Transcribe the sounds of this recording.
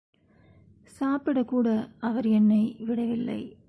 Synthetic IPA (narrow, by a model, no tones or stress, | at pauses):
saːpɪɽɐkːuːɽɐɐʋɐɾɛnːɐɪʋɪɽɐʋɪlːɐ̰ɪ